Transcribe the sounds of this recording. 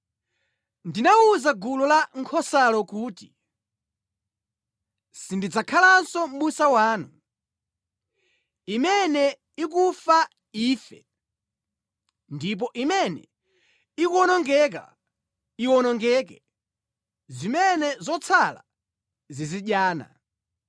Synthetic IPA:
ndinauzaɡulɔlaŋkʰɔsalɔkuːti̥ | sindid͡zakʰalansɔm̩musawaːnu | imɛnɛ | ikufa | iːfɛ | ndip̬ɔʔimɛnɛ̰ | ikuɔnɔŋɡɛk̬a̰ | iwɔnɔŋɡɛkɛ̰ | zimɛnɛzɔt͡sʰala̰ | ziziɗjaːna̰

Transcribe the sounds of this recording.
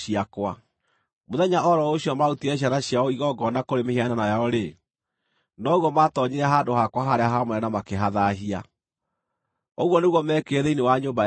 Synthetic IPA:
iakwa | moðɛɲaʔɔɾɔoɕiɔmautiɛɕ̬aɾaɕjaɔiɣɔɡɔnakoɾemehiananajaɔɾe | nɔɣwɔmatɔɲeɾaɦaːdohakwaɦaɾeaɦamwɛɾɛnamakeɦaðaɦia | ɔɣwɔneɣwɔmɛːkeðɛinewaɲoːmba

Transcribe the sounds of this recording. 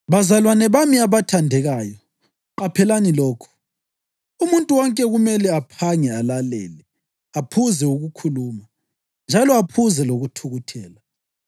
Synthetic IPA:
βazalwanɛβamiaβatʰandʱɛɣaːjɔ | ǃapʰɛlanilɔːkʰɔ̥ | umuntʼuwɔŋkʼɛɣumɛlɛapʰaŋɛalalɛ̰ːlɛ | apʰuzɛuɣukʰuluːma | nd͡ʒʱalɔapʰuzɛloɣutʰuɣutʰɛːla

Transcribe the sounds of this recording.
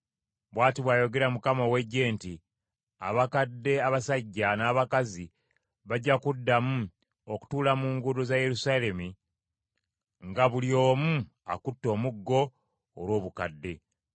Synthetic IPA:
βwaːtiβwaːjo̞ɡe̞ɾamukamowe̞ɟːe̞ːnti | a̰βakadːe̞aβasaɟːanaːβakazi | βaɟːakudːamu | o̞ku̥tuːlamuːŋɡuɾuzaje̞ɾusale̞mi | ŋɡaβulio̞ːmu | a̰kutːo̞ːmuɡːo̞ː | lwo̞ːβukadːe̞

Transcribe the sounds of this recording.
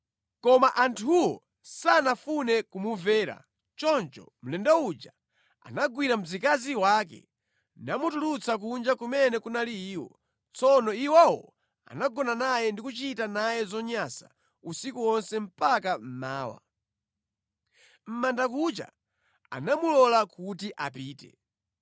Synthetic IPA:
kɔmaʔantʰuwɔ̰ | sanafunɛkumuvɛːɾa̰ | t͡ʃɔnt͡ʃɔ̰ | m̩lɛndaud͡ʒa | a̰naɡwiɾam̩zikaziwaːk̬ɛ̰ | namutulut͡sak̬und͡ʒakumɛnɛkunaliiːwɔ̰ | t͡sɔnɔiwawɔ | a̰naɡɔnanajɛndikut͡ʃitanajɛzɔɲasa̰ | usikuwɔnsɛm̩pakam̩maːwa̰ | m̩mandakut͡ʃa̰ | a̰namulɔlakutiʔap̬iːtɛ̰

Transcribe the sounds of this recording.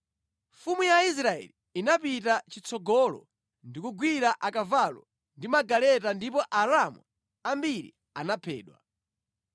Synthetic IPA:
fumujais̬ɾaɛ̰liːnapitat͡ʃit͡sʰɔɡɔlɔ̰ | ndikuɡwiɾaʔakavalɔ̰ | ndimaɡalɛtandipɔʔaɾamwu | ambiɾḭ | anapʰɛ̰ːɗwa̰

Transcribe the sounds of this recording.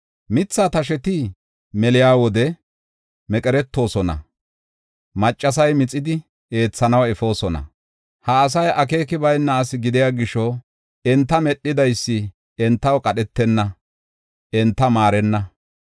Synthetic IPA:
mɪt͡sːaːt̪ɐʃ̬ɛt̪ɪ | mɛlɪjaːwɔd̪ɛ | mɛkʼɛɾɛt̪ːo̞ːsɔnɐ̰ | mɐt͡ʃʼːɐs̬ɐjmɪt͡sʼːɪd̪ɪ | e̞ːt͡sːɐnɐwɛfo̞ːsɔnɐ̰ | hɐːs̬ɐjʔɐke̞ːkɪbɐjnːɐːsɪɡɪd̪ɪjaːɡɪʃɔ | ɛnt̪ːɐmɛɗːɪd̪ɐjsːɪ | ɛnt̪ːɐwkʼɐɗɛt̪ːɛnːɐ | ɛnt̪ːɐmaːɾɛnːɐ

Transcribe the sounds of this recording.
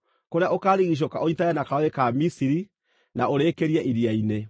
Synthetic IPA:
koɾeaʔokaːɾiɣiɕ̬oka̰ʔoɲitajɛnakaɔekamisiɾi | naoɾeːkeɾiaʔiɾiaine

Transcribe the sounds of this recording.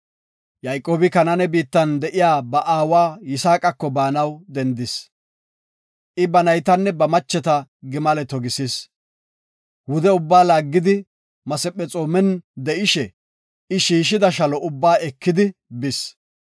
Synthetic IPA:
jɐjkʼːoːbɪkɐnɐnɛbiːt̪ːɐnd̪ɛʔɪjaːbɐʔaːwaːjɪsaːkʼɐkːɔbaːnɐwd̪ɛnd̪ɪs | ʔɪbɐnɐjt̪ɐnːɛbɐmɐt͡ʃːɛt̪ɐɡɪmɐlɛt̪ɔɡɪsɪs | wʊd̪ɛʊbːaːlaːɡːɪd̪ɪ | mɐsɛpʼːɛt͡sʼoːmɛnd̪ɛʔɪʃɛ | ɪʃiːʃ̬ɪd̪ɐʃɐlɔʊbːaːɛkːɪd̪ɪbɪs

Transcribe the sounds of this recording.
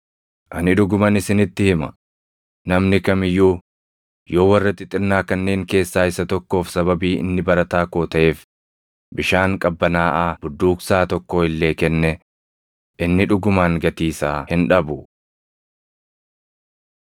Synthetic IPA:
ʔɐnɪᶑʊɡʊmɐnɪsɪnɪt̪ːɪhɪmɐ̰ | nɐmnɪkɐmɪjːuː | jo̞ːwɐrːɐt̪ːɪt̪ʼɪɾnaːkɐnːe̞ːŋke̞ːsːaːɪsːɐt̪ɔkːo̞ːfsɐbɐbiːɪ̰nːɪbɐɾɐt̪aːko̞ːt̪ɐʔe̞ːf | bɪʃaːŋkʼɐbːɐnaːʔaːb̥ʊd̪ːuːksaːt̪ɔkːo̞ːɪlːe̞ːkɛnːɛ | ʔɪnːɪᶑʊɡʊmaːŋɡɐt̪iːsaːhɪnᶑɐbʊ

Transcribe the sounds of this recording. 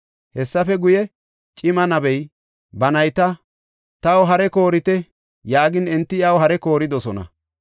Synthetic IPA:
hɛsːɐfɛɡʊjɛ | t͡ʃʼɪmɐnɐbɛj | bɐnɐjt̪ɐ | t̪ɐwɔɦɐɾɛko̞ːɾɪt̪ɛ | jaːɡɪnɛnt̪ːɪjɐwhɐɾɛko̞ːɾɪd̪ɔsɔnɐ̰

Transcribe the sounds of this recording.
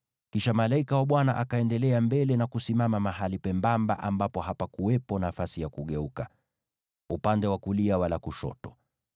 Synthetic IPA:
kiʃamalaikawaɓwanaʔakaɛndɛlɛambɛlɛnakusimamamaɦalipɛmbamba̰ʔambapɔɦapakuwɛpɔnafasijakuɠɛuka | upandɛwakuliawalakuʃɔ̰tɔ̥

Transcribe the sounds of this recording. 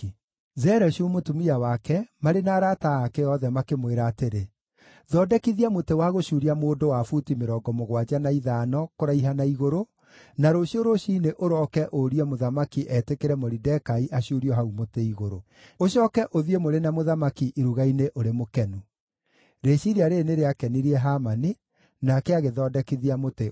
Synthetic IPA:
zɛɾɛʃumotumiawakɛmaɾenaːɾataakɛjɔðɛmakemweɾaːteɾe | ðɔːdɛkiðiamotewaɣoʃuːɾiamoːdowafutimeɾɔːɡɔmoɣwad͡ʑanaiðaːnɔkoɾaiɦanaiɣoɾo | naɾoɕioɾoɕiːneʔoɾɔkɛʔoɾiɛmoðamakiʔɛtekeɾɛmoɾidɛkaiʔaɕuːɾiɔɦaumoteiɣoɾo | oʃɔːkɛʔoðiemoɾenamoðamakiʔiɾuɣaineʔoɾemokɛnu | ɾeɕiɾiaɾeneɾeakɛniɾiɛɦaːmani | nakɛaɣeðɔːdɛkiðiamote

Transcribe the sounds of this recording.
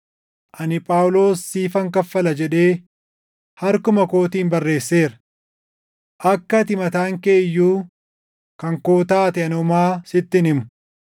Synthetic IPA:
ʔɐnɪpʼaːwlo̞ːsːiːfɐŋkɐfːɐlɐd͡ʒɛᶑe̞ː | hɐɾkʊmɐko̞ːt̪iːmbɐrːe̞ːsːe̞ːɾɐ̥ | ʔɐkːɐt̪ɪmɐt̪aːŋkeːjːuː | kɐŋkoːt̪aːt̪ɪɐnɔmaːsɪt̪ːɪnɪmʊ̥

